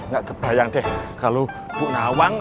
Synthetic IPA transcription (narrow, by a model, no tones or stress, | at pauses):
ŋɡaʔɡ̥ə̤b̥a̤jaŋd̪ɛhkalo | b̥uʔnawaŋ